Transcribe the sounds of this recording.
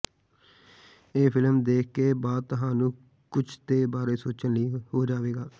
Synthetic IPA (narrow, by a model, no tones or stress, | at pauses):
eːpʰɪləmd̪eːk̚ʰkeːbaːd̪̚t̪ʊɦãːnũː | kʊt͡ʃʰt̪eːbaːɾeːsoːt͡ʃənləiːhoːd͡ʒaːʋeːɡaː